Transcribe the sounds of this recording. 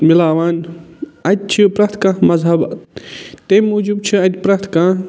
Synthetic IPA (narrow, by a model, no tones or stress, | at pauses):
milaːʋaːnɐt̪̚t͡ʃʰipɾat̪ʰkamɐzɦɐbɐ | t̪emːuːd͡ʒub̚t͡ʃʰiɐt̪pɾat̪ʰka